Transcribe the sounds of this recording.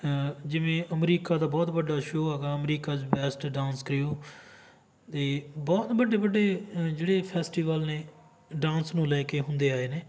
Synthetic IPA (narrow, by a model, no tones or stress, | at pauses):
d͡ʒɪʋẽːʔəmɾiːkaːd̪aːbɔːt̪bəɖːaːʃoːɦɛːɡaːəmɾiːkaːd͡ʒbɛːsʈɖãːnskəɾɪjoː | t̪eːbɔːt̪bəɖːeːbəɖːeːd͡ʒeːɽeːpʰɛːsʈiːʋəlneː | ɖãːnsnũːlɛːkeːɦʊnd̪eːaːeːneː